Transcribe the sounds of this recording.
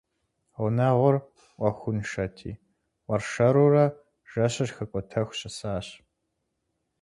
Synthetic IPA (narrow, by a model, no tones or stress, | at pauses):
ʊnaːʁʷʊr | ʔʷʼɐxʷʊnʂɐtʰḭː | wʷɐrʂɐɾuːrɐ | ʒ̥ɐɕɐrxɐkʷʼɔtʰɐxʷɕɐsaːɕ